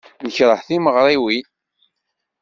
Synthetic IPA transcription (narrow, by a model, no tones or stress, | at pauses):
nəçɾˤəħθiməʁɾˤiwi